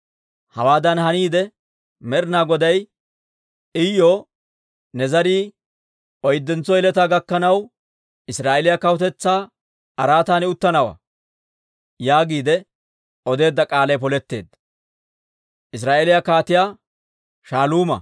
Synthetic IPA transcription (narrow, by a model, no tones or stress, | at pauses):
hɐwaːd̪ɐnhɐniːd̪ɛ | mɛɾɪnaːɡɔd̪ɐj | ɪjoː | nɛzɐɾiː | ʔɔjd̪ːɛnt͡sːɔɪlɛt̪aːɡɐkːɐnɐw | ɪsɾaːʔelɪjakɐwɔt̪ɛt͡sːaː | ɐɾaːt̪aːnɛʊt̪ːɐnɐwa̰ | jaːɡiːd̪ɛ | ɔd̪e̞ːd̪ːɐkʼaːlɐjpɔlɛt̪ːe̞̰ːd̪ | ʔɪs̬ɾaːʔelɪjakaːt̪ɪjaː | ʃaːluːmɐ̰